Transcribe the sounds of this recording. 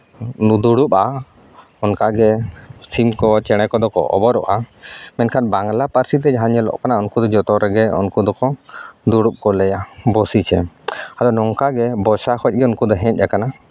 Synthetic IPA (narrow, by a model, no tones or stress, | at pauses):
nud̪uɽupa | ɔnkaɡɛsimkɔt͡ʃɛɽ̃ɛkɔd̪ɔkɔ̰ʔɔ̰bɔɾɔ̰ʔamɛnkʰanbaŋlapaɾsit̪ɛɦaɲɔlɔ̰ʔkanaunkud̪ɔd͡ʒɔt̪ɔɾɛɡɛṵnkud̪ɔkɔd̪uɽup̚kɔlɛjabɔsit͡ʃʰɛ̰ | ad̪ɔnɔŋkaɡɛbɔsakʰɔc̚ɡɛunkud̪ɔɦɛ̃c̚ˀɗakana